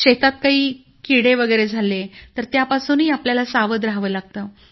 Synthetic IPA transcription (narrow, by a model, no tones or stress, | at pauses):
ɕet̪at̪̚kaɦiː | kiɽeʋəɡəjɾed͡zʱalet̪əɾt̪japasuːnɦiːapljalasaʋəd̪ɾaɦʋəːlaɡ̚t̪əː